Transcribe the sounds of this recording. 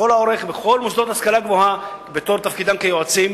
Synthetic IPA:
olaoʁeχbeχo̞lmusd̪ot̪haskalaɡvohabet̪o̞ʁt̪afkid̪amkejoat͡sim

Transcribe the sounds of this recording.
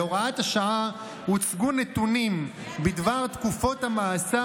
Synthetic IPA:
oʁaat̪haʃaa | hut͡sɡunːet̪unim | bid̪vaʁt̪kufo̞t̪hamaːsa

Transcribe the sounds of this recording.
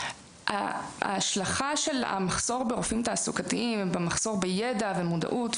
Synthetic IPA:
ʔa̰ːʃlaχaʃela̰maχso̞ʁbeʁofimtaːsukatiimbemaχso̞ʁbejedave̞moda̰ʔut

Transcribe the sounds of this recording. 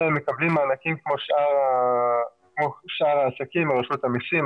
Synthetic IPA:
emːekablimaːnakimkmo̞ʃa | kmoʃaʁaːsakimbeʁaʃut̪amisim

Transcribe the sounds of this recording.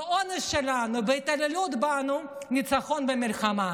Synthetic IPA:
onesʃelanubeit̪alelut̪banu | nit͡saχo̞nbemilχama

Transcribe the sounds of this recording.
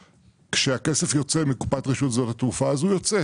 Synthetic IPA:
kʃeakese̞fjo̞t͡se̞mikupatʁiʃutzotatufaːzujo̞t͡se

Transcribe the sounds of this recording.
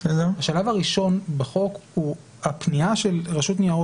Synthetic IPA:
zehaʃalavaʁiʃo̞nbeχo̞khu | hapniaʃe̞lʁaʃut̪nijao

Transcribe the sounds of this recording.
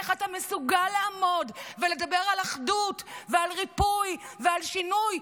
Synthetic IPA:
χat̪amesuɡalːaamo̞dvele̞d̪abe̞ʁalaχdut̪vealʁipujvealʃinuj

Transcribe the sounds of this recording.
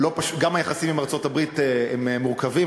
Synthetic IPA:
lo̞paʃu̥tɡamajaχasimimaʁt͡so̞tabʁit̪eememːuʁkavi

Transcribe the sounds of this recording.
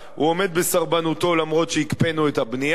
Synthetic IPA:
ṵo̞me̞d̪̚be̞saʁbanut̪o̞lamʁo̞t̪ʃeikpe̞nuet̪habni

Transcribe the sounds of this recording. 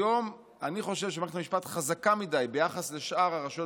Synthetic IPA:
o̞m | aniχo̞ʃevʃemeet̪amiʃpatχazakamidajbe̞jaχasle̞ʃʔaʁaʁaʃo

